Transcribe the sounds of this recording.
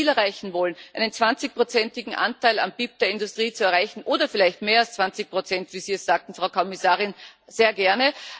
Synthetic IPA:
iːlɛɐʁaɪçn̩vɔlənʔæɪnənt͡sv̥ant͡sɪç̚pʁot͡sɛntɪɡŋ̩ʔã̰ntaɪla̰mb̥iːp̚d̥eːɐɪndʊstʁ̥iːt͡suɛɐaɪçn̩ʔoːdɐfɪlaɪçtmeːɐalst͡sv̥ant͡sɪç̚pʁ̥ot͡sɛntv̥iːziːɛsz̥aːk̚tn̩fʁaʊkʰɔmɪsaːʁɪnz̥eːɐɡɛɐnə

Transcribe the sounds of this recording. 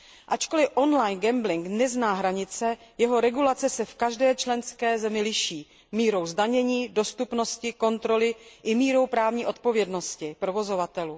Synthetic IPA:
ʔat͡ʃko̞lɪʔo̞nlajnɡɛmblɪŋknɛznaːɦɾaɲɪt͡sɛjɛɦo̞ɾɛɡulat͡sɛsɛfkaʒdɛːt͡ʃlɛnskɛːzɛmɪlɪʃiː | miːɾo̞wzdaɲɛɲiːdo̞st̪upno̞scɪko̞nt̪ɾo̞lɪʔɪmiːɾo̞wpɾaːvɲiːʔo̞t̪̚po̞vjɛdno̞scɪpɾo̞vo̞zo̞vat̪ɛluː

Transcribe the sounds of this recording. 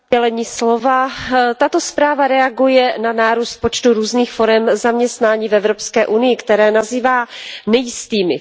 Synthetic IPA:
ɛlɛɲiːslo̞vat̪at̪o̞spɾaːvaɾɛaɡujɛnanaːɾuːst̪̚po̞t͡ʃt̪uɾuːzniːxfo̞ɾɛmzamɲɛst̪naːɲiːvɛvɾo̞pskɛːʔunɪjɪkt̪ɛɾɛːnaziːvaːnɛjɪst̪iːmɪ̰

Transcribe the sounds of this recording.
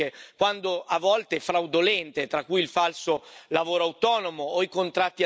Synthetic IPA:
ekwand̪oʔavːɔlt̪eɛfɾawd̪olɛnt̪et̪ɾakːujilfalsolavoːɾoawt̪ɔːnomoːikont̪ɾat̪ːia

